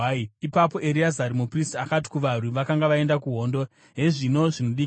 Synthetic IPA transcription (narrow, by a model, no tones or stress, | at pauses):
iipapo̞ʔe̞ɾiazaɾimupristakati̥kuʋaruʋakaŋɡaʋae̞ndakuɦo̞ndo̞ | ɦe̞ʐino̞ʐinoɗi